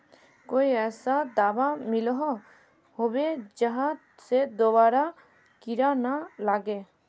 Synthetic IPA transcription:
kojɛsad̪abamilɔɦɔ | hobɛd͡ʒaɦa | sɛd̪ɔbaɾa | kiɾanalaɡɛ

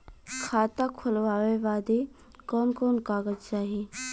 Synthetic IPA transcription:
kʰaːt̪akʰʊlʋaːʋeʋaːd̪e | kɔːnkɔːnkaːɡəd͡ʒt͡ʃaːɦie

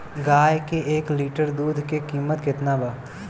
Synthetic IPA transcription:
ɡaːjkeʔeːkliːʈəɾd̪uːd̪ʱkekiːmət̪kɪt̪nabə

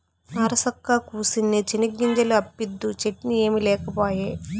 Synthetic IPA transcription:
ɐːɾɐsɐkːakuːsinːit͡ʃiniɡːiɲd͡ʒɐluɐpːid̪ːut͡ʃeʈnie̞ːmilɛːkɐpoːjeː

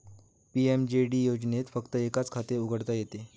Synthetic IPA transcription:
piemd͡ʑeɽiːjod͡ʑnet̪fəkt̪əekat͡skʰat̪euɡʱəɽt̪ajet̪e

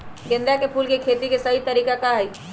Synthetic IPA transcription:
ɡẽnd̪ɾjakepʰuːlkekʰet̪ikesəɦit̪əɾiːkakaɦəj

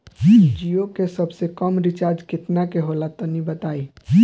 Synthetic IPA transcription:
d͡ʒijokesəbsekəmɾɪt͡ʃaːɾd͡ʒkɪt̪nakeɦolat̪ɔnibət̪aːi

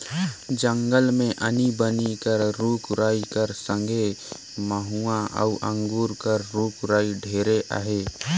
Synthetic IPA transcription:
d͡ʒə̃ŋɡəlmẽʔənibənikəɾɾuːkɾaːikəɾsə̃ŋɡʱe | məɦuãʔə̰uʔə̃ŋɡuːɾkəɾːuːkɾaːiɖʱeːɾeʔa̰ːɦeː

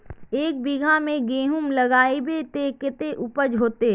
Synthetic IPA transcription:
eːk̚biɡʱamẽɡeːɦʊmlɐɡaːebet̪ekɪt̪eʔʊpəd͡ʒɦoːt̪e

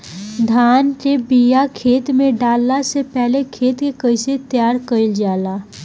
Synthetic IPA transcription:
d̪ʱaːnʈebijakʰeːt̪mẽɖaːlːasepɛɦlekʰeːt̪kekəɪset̪jaːɾkəɪld͡ʒaːlaː

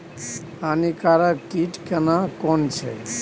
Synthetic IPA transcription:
anikaɾəkiʈkənakɔnt͡ʃʰe

